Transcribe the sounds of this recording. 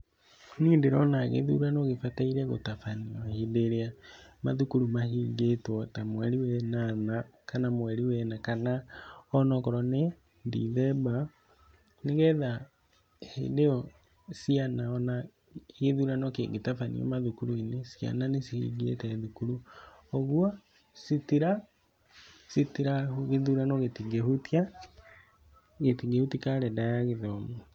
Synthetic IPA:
niːndeɾɔnaɣḛðṵɾanoɣefataiɾɛɣo̰tafaniɔhedeɾeama̰ðukuɾumahiɡetwɔtamwɛɾiwɛnanakanamwɛɾiwɛnakanaɔnɔkɔɾɔne | ndḭðɛba | neɣɛða | hḛdeɔ | sianaɔna | ɣeðuɾanɔkḛŋɡetafanḭɔ̰maðukuɾuinesja̰nanesihḭɡiḛtɛðukuɾu | oɣwa | sitiɾa | sitiɾauɣeðuɾanɔɣetiŋɡehutia | ɣetiŋɡehutikaɾɛndajaɣeðɔmu

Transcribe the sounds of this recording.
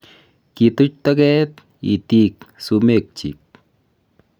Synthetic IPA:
kit̪ʊt͡ʃt̪akɛt̪ | ḭt̪ik̚sumek̚t͡ʃḭk̚

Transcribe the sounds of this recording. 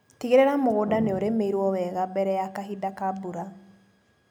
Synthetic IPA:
tiɣeɾeɾamoɣodaneoɾemeiɾwɔwɛɣabɛɾɛjakaɦidakabuɾa

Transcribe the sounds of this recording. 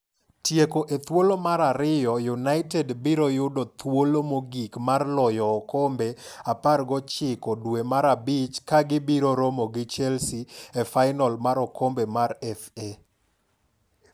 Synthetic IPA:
tjekoʔet̪wolomaɾaɾɪjɔjunaɪtedbiɾojʊdot̪wolomoɡikmarlɔjɔːkombeaparɡɔt͡ʃɪkɔdwemaɾabɪt͡ʃkaɡɪbiɾoɾomoɡɪt͡ʃɛlsiefaɪnɔlmaɾɔkombemaɾɛfe

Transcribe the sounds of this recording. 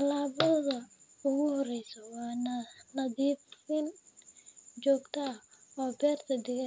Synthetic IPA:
t̪ɐlaːbɔðɐʊɣʊhɔɾɛjsɔwaːnɐnɐdiːfɪn | d͡ʒɔːɡt̪aɔːbɛːɾt̪ʰɐdɪɣɐ

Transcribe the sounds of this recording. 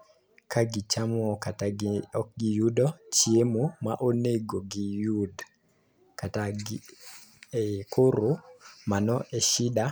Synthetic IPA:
kaɡit͡ʃamɔkataɔk̚ɡijudɔt͡ʃiemomaʔoneɡoɡijud | kataɡ | kʰoɾomanɔʔɛʃida

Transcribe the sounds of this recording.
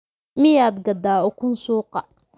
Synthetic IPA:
mɪjaːd̪ɡɐd̪aːɔkʰʊnsuːqɑ

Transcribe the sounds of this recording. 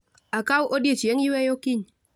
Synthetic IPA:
akawʔodjet͡ʃeŋiwejokiɲ

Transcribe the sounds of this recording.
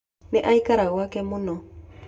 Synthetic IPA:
neʔaikaɾaɣwakɛmonɔ

